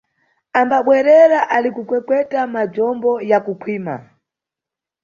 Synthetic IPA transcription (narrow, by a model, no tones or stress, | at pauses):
ambaɓwɛɾɛɾaʔalikukwɛkwɛtamad͡ʒɔmbɔjakukʰwiːma̰